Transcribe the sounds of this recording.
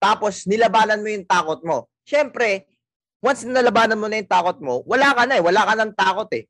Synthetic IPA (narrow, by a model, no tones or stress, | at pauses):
t̪aːpo̞snɪlɐbaːnɐnmojʊŋt̪aːkot̪̚mo̞ | ʃɛmpɾɛ | wɐnsnɐnɐlɐbaːnɐnmonɐjʊŋt̪aːkot̪̚mo̞wɐlaːkɐnɐɛwɐlaːkɐnɐŋt̪aːkot̪ɛ